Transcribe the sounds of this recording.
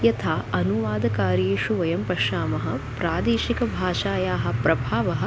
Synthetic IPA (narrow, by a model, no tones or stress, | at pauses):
jɐt̪ʰaːʔɐnuʋaːd̪ɐkaːɾiʃuʋɐjɐmpɐʃaːmɐɦɐ̆pɾaːd̪eːʃikɐbʱaːʃaːjaːɦɐ̆pɾɐbʱaːʋɐɦɐ̆